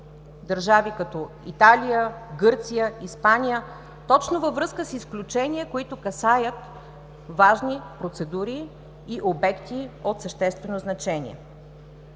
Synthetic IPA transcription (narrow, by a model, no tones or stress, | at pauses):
d̪əɾʒavikɐt̪ɔ | ḭt̪alijəɡɤɾt̪sijəispanʲijə | t̪ɔt͡ʃnovəvɾɤskəsisklʲut͡ʃɛniəkoit̪ʊkɐsajət̪ | vaʒnipɾot̪sɛd̪uɾiː | ʔobɛkt̪iot̪səʃt̪ɛst̪vɛnoznɐt͡ʃɛnʲḭɛ̰